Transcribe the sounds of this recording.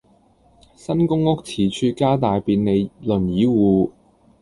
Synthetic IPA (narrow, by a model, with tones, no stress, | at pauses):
sɐ˥nkʊ˥ŋʊ˥k̚t͡sʰiː˨˩t͡ʃʰyː˧kaː˥t̪aː˨jpiː˧nne˨˧jlɵ˨˩njiː˨˥wuː˨˧